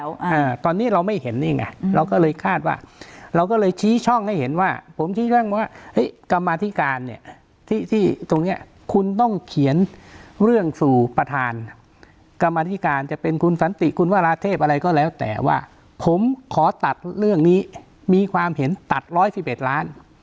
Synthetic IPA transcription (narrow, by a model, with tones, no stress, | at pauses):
aː˧t̪ɔː˧nːiː˦˥ɾa˧wma˥˩jhe˩˦nːiː˧ŋʔa̰˧˩ɾa˧wkɔː˥˩lɤː˧jkʰaː˥˩t̪̚wa̰ː˥˩ɾa˧wkɔ˥˩lɤː˧jt͡ɕʰiː˦˥t͡ɕʰɔ˥˩ŋha˥˩jhe˩˦nwaː˥˩pʰo˩˦mt͡ɕʰiː˦˥t͡ɕʰɔ˥˩ŋwaː˥˩ʔɤ˦˥jka˧mːaː˧t̪ʰi˦˥kaː˧nːi˦˥˩ɐə | t̪ʰiː˥˩t̪ʰiː˥˩t̪o˧ŋni˦˥ɐ | kʰu˧nt̪ɔ˥˩ŋkʰi˩˦ənɾɯ˥˩əŋsuː˨˩pɾa˧t̪ʰaː˧n | ka˧mːaː˧t̪ʰi˦˥˩kaː˧nt͡ɕa˨˩ʔpe˧nkʰu˧nsa˨˦nt̪i˨˩kʰu˧nwaː˥˩ɾaː˧t̪ʰeː˥˩p̚ʔa˧ɾa˧jkɔː˥˩lɛː˦˥wt̪ɛ̰ː˨˩wa̰ː˥˩ | pʰo˩˦mkʰɔː˩˦t̪a˨˩t̪̚ɾɯ˥˩əŋniː˦˥ | miː˧kʰwaː˧mhe˩˦nt̪a˨˩t̪̚ɾɔː˦˥jsi˨˩p̚ʔe˨˩t̪̚ɾaː˦˥n